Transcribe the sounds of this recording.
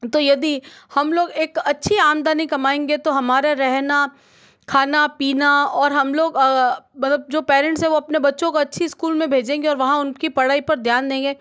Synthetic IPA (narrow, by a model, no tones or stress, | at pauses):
t̪ojɐd̪ihɐmloːɡeːkɐtːʃʰiaːmd̪aːnĩkɐmaːẽːŋɡet̪oɦɐmaːɾeɾɛɦna | kʰaːnapiːnaɔːɾɦɐmloːɡmɐt̪ləb̚d͡ʒoːpɛːɾɛ̃ɳʈsɦɛ̃ʋoɐpnebɐtːʃõkoɐtːʃʰiskuːlmẽbʱeːd͡ʒẽːŋɡeɔːɾʋɐɦãʊnkipɐɽ̤aːipɐɾd̪ʱjaːnd̪ẽːŋɡeː